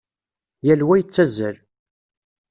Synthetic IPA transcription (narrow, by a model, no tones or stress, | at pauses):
jælwæjət͡sːæzːəɾ